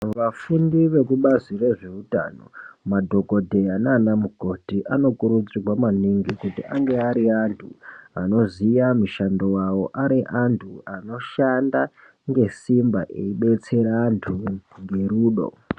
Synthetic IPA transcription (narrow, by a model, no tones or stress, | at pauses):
ʋafundiʋe̞kuɓazire̞ʐe̞uta̰no̞̰madʱo̞ko̞dʱe̞ananamuɡʱo̞tiʔano̞kuɾud͡zirwamaniŋɡikutḭʔa̰ŋɡe̞aɾiantʰuano̞zijamuʃando̞wawo̞ʔaɾiʔantʰuano̞ʃanda | ŋɡe̞simbaʔeiɓe̞t͡se̞ɾaːntʰuŋɡe̞ɾuːɗo̞̰